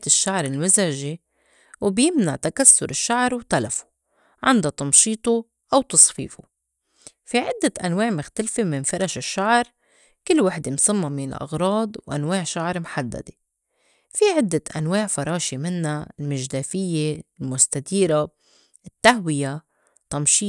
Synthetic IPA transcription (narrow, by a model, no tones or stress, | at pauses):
t̪ɪʃːaʕɾˤɪlmʊzʕʒi | wbjɪmnaʕt̪akasːʊɾɪʃːaʕɾˤwt̪alafu̥ | ʕɪnd̪at̪ˤɑmʃiːt̪ˤu | ʔawt̪ɑsˤfḭːfu | fiʕɪd̪ːaʔanwaːʕmʊxt̪alfemɪnfɑɾˤɑʃɪʃːaʕɾˤ | kɪlːwaħd̪emsˤɨmːɑmiːnɪ̰lʔɑ̰ɣɾˤɑːd̪ˤwʔa̰nwaːʕʃaʕɾˤmħad̪ːa̰d̪e | fiʕɪd̪ːaʔanwaːʕfɑɾˤɑːʃemɪnːalmɪʒd̪aːfɪjːelmʊst̪ad̪iːɾa | ɪt̪ːaɦwɪja | t̪ˤɑmʃiː